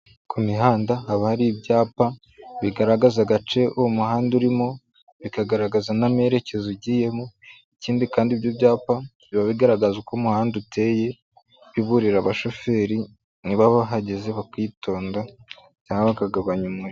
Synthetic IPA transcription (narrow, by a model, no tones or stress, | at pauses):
kʰumiɦaːndahaβahaɾibɟaːpa | βiɡaɾaɡazaɡat͡ʃe̞umuhaːnduɾimo | βikaɡaɾaɡazaname̞ɾe̞ce̞zoɟiːje̞mo | iciːndikaːndibjobɟaːpaβiβaβiɡaɾaɡazukomuhaːndutʰe̞je̞ | βiβuɾiɾaβaʃo̞fe̞ːɾi | niβaβaɦaɟeze̞βakiːtʰo̞ːnda | caːŋɡaβakaɡaβaɲumuɾ